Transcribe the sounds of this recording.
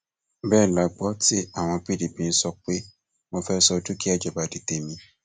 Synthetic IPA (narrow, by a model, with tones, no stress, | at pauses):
bɛː˦˨la˨˦ɡ͡bɔ˦ti˦a˦˨w̃ɔ̃˧pi˦˨di˨bĩ˨n̩˦sɔ˧k͡pe˦ | mõ˧fɛ˦sɔ˧du˦ki˦a˦˨d͡ʒɔ˨ba˨di˨te˧˨mĩ˧